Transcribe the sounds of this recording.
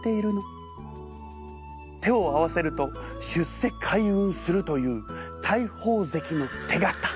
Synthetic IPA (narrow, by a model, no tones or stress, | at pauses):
t̪e̞iɾɯ̟no | t̪e̞o̞aβase̞ɾɯ̟t̪o̞ɕɨse̞kʰaiɯ̃ɰ̃sɨɾɯt̪o̞jɯ̟ːt̪ʰaiho̞ːze̞kʲino̞t̪ʰe̞ɡat̪ːḁ